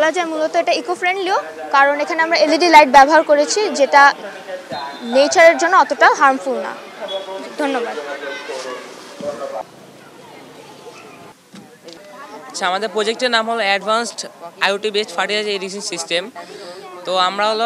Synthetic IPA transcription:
blad͡ʑaemulot̪oeʈaikofɾeɳɖliokaɾonekʰaneamɾaeliɖilajʈ̚bɛboɦaɾkoɾet͡ɕʰid͡ʑeʈa | net͡ɕaɾeɾd͡ʑonːoɔt̪oʈaɦaɾmfulna̰ | d̪ʱonːobad̪ | aɕʰaamad̪eɾpɾod͡ʑek̚ʈeɾnamɦoloɛɖbʱansʈajuʈibesʈfaʈiad͡ʑaeɾis̬insisʈem | t̪oamɾaɦl

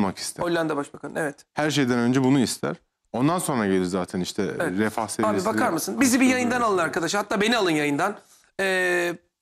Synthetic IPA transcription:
maki̥st̪ʰæolʲlːʲænd̪ɛbaʃbakʰalˠɯnevɛt̪hæɾʃ̬e̞jd̪ænø̞nd͡ʒɛbunuist̪ʰæ̰ɾ̥ | o̞nd̪anso̞nɾaɟe̞lʲiɾzaːt̪ʰæniʃt̪ʰɛɛɾɛfahseaːbibakʰaɾmɯsɯnbizibijajɯnd̪analˠɯnaɾkad̪aʃɯhat̪ːaːbe̞nialˠɯnjajɯnd̪an | ɛː

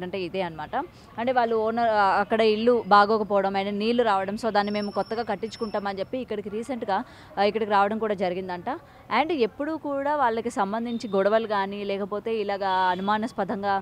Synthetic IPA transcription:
ɖɐɳʈe̞ːid̪eːɐnɐmaːʈɐ | ɐɳʈe̞ːʋaːɭːuɔːnɐɐkːɐɽɐiɭːubaːɡɔːkɐpɔːʋɐɽɐmɐjneniːlːuɾaːʋɐɽɐmsoːd̪aːnːime̞ːmukɔt̪ːɐɡaːkɐʈːiɲt͡ʃːu̥kuɳʈaːmɐnt͡ʃe̞pːiːkːɐɽikiɾiːseɳʈɡaː | ikːɐɽɐkiɾaːʋɐɽɐmkuːɽaːd͡ʒɐɾiɡind̪ɐɳʈaː | ɐɳɖe̞pːuɽukuːɽaːʋaːɭːɐkisɐmbɐnd̪ʱiɲt͡ʃiɡɔɽɐʋɐlɡaːnilɛːkɐpo̞ːt̪e̞ːilaːɡaːɐnumaːnɐspɐd̪ʱɐŋɡaː

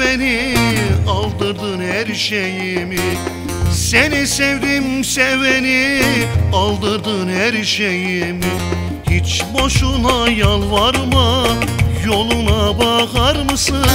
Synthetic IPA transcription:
ɛni | ɑlˠd̪ɯɾd̪ɯnhæɾʃejimi | sænisevd̪imsɛvɛni | ɑlˠd̪ɯɾd̪ɯnhæɾʃejim | hit͡ʃboʃunɑjɑlˠvɑɾmɑ | jolˠunɑbɑɣɑɾmɯsɯ

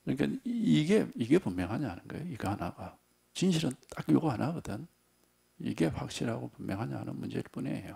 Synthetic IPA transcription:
kɯɾɲika̰iɡe̞iɡe̞pummjʌŋɦaɲaanɯnɡʌḛjoiɡʌhanaɡa | t͡ɕinɕʰiɾɯnt͈akjoɡoɦanʔaɡɯdɯn | ḭɡe̞ɸak̚ɕ͈ʰiɾaɡopummjʌŋɦaɲaɦanɯnmund͡ʑe̞ɾɯɭp͈unḛjo

